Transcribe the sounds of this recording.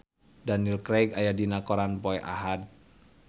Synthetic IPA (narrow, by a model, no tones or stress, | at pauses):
danilkɾɛɡajadinakɔɾanpɔɛʔa̰ɦat̪̚